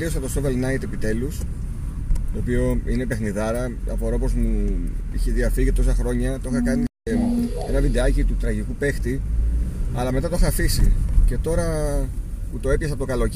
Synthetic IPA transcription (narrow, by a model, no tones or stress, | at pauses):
ɾiosɐt̪o̞sovelnɐjt̪e̞pit̪e̞lus | t̪o̞ːpio̞ine̞pe̞xniðɐɾɐɐ̰foɾopo̞zmuḭçeðiɐfiʝit̪o̞s̬ɐxɾo̞ɲɐt̪oxɐkɐni | enɐvid̪eɐcit̪ut̪ɾɐʝikupe̞xt̪i | ɐlɐme̞t̪ɐt̪oxɐːfisice̞t̪o̞ɾɐ | put̪o̞e̞pçɐsɐpot̪okɐlo̞